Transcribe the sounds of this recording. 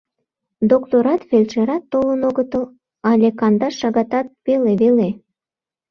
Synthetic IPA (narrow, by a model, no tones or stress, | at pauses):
d̪okt̪oɾɑt̪velʲt͡ʃeɾɑt̪ːolənoɣət̪əl | ɑlʲekɑnd̪ɑʃɑɣɑt̪ɑt̪̚βeleβele